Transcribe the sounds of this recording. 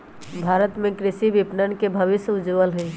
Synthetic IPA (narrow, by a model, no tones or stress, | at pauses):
bʱaːɾət̪mẽkɾɪʃiʋɪpnənkebʱəʋɪsjəʊd͡ʒʋəlɦʊi